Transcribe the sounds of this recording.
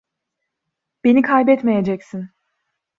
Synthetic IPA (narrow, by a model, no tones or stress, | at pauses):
b̥e̞nikʰajbɛt̪mejed͡ʒɛcsin